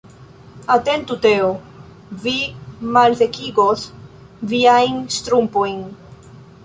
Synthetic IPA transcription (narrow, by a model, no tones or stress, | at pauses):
at̪ent̪ut̪eo | vimalθekiɡoθ | viajŋst̪ɾumpoiŋ